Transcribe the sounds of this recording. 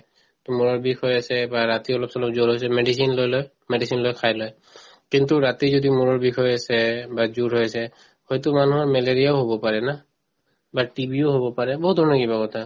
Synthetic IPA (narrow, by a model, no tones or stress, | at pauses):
kmuɹɔɹbikʰɔjasɛbaɹat̪iɔlɔp̚sɔlɔpzoɹɦojs̬ɛmeɖisinlojlɔj | mɛɖisinlojkʰajlɔj | kintuɹat̪izodimuɹɔɹbikʰɔjasɛbazuɹɦojasɛ | hɔjtumanuɦɔɹmɛleɹijaoɦobɔpaɹɛna | batibioɦobɔpaɹɛbɔɦut̚d̪ʱɔɹnɔkibakɔtʰa